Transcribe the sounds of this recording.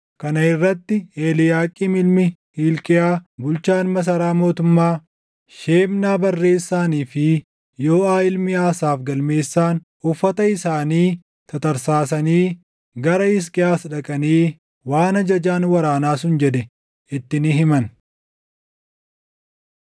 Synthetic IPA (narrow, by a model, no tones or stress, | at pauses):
kɐnɐɪrːɐt̪ːɪeːlɪjaːkʼiːmɪlmɪhiːlkʼɪjaːbʊlt͡ʃaːnmɐs̬ɐɾaːmo̞ːt̪ʊmːaː | ʃe̞ːmnaːbɐrːe̞ːsːaːniːfɪ | jo̞ːaːɪlmɪaːsaːfɡɐlme̞ːsːaːn | ʊfːɐt̪ɐɪsaːniː | t̪ɐt̪ɐɾsaːs̬ɐniː | ɡɐɾɐɪs̬kʼɪjaːsᶑɐkʼɐniː | waːnɐd͡ʒɐd͡ʒaːnwɐɾaːnaːs̬ʊnd͡ʒɛd̪ɛ | ɪt̪ːɪnɪɦɪmɐn